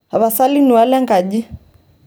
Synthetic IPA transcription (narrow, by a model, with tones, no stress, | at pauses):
a˨βa˨sa˦li˦nu˨walɛ˦ŋɡa˨ʄi˦